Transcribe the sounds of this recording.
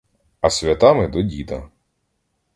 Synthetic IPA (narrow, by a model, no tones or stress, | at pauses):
ɐsʲʋʲɐt̪ɑmɪd̪ɔdʲid̪ɐ